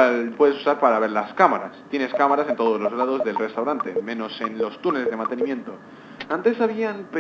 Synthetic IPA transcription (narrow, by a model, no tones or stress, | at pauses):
alpweðesu̥saɾpaɾaβe̞ɾlaskamaɾast̪je̞ne̞skamaɾase̞nt̪o̞ð̞o̞zlo̞zɣlað̞o̞zðe̞lre̞st̪awɾant̪e̞mẽ̞no̞se̞nlo̞st̪uneleðe̞mãnt̪e̞nimjẽ̞nt̪o̞ | ant̪e̞saβ̞ianpe